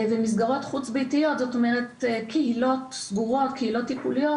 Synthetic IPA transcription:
vemis̬ɡaʁo̞t̪χut͡sbejtijo̞t̪zot̪o̞meʁet̪kʰehilo̞t̪sɡuʁo̞tkʰehilo̞tːipulijo

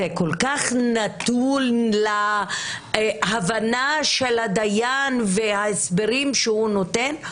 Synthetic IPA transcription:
ekolkaχnat̪ulla | havanaʃelhad̪ajanvehaesbeʁimʃehunoten

